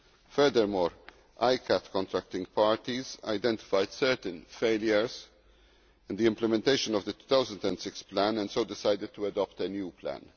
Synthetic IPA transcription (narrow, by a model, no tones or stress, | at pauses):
fɛɾd̪əɾmɔːɾ | ʔajkʰæt̪kɔ̃nt̪ɾæk̚t̪ɪ̃ŋɡpaːɹt̪iza̰ɪd̪ɛ̃nt̪ɪ̥fajd̪̥sɛɾt̪ə̃nfeɪljəɹz | ɪ̃nd̪iɪ̃mplɛmɛ̃nt̪eɪʃə̃nɔvd̪ət̪u̥t̪awzə̃nd̪ɛ̃nd̪sɪksplæ̃nɛ̃nsoʊd̪ɪsajd̪ɪd̪̚t̪ːuɐd̪ɔpt̪ənjuːpʰlæ̰̃n